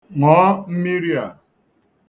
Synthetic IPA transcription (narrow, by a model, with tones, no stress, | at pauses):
ŋɔː˨˦m̩˦mi˦ɾi˦a˨